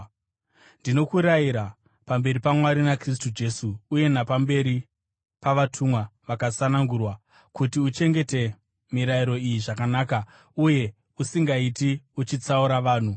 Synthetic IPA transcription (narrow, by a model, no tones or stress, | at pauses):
ndino̞kuɾajiɾa | pambe̞ɾipamwaɾinakristud͡ʒe̞suːje̞napambe̞ɾi | paʋatʰumwaʋakasanaŋɡurwa | kutiut͡ʃe̞ŋɡe̞te̞ | miɾaiɾo̞ijiʐakanaːka | uje̞ | usiŋɡaitiut͡ʃit͡sauɾaʋaːn̤u